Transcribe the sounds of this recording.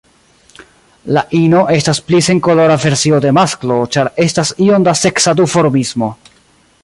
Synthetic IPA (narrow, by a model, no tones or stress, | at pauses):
laʔino̞ʔe̞stasplise̞ŋko̞lo̞ɾave̞ɾsio̞de̞masklo̞t͡ʃaɾe̞stasio̞ndase̞ksad̪ufo̞ɾmismo̞